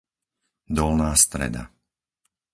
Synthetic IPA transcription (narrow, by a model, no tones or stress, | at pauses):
d̪ɔlnaːst̪ɾɛ̰d̪a̰